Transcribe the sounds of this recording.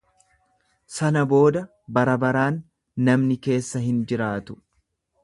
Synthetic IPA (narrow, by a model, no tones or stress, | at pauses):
sɐnɐbo̞ːd̪ɐ | bɐɾɐbɐɾaːnː | ɐmnɪke̞ːsːɐɦɪnd͡ʒɪɾaːt̪ʊ̥